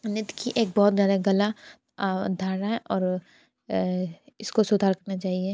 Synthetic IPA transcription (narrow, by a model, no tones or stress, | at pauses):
nɪt̪kʰiʔeːk̚bɔːt̪zjaːd̪aɡɐla | d̪ʱaːɾaɦɛʔɔːɾ | ɪskosʊd̪ʱaːɾkɐɾnat͡ʃaːɦie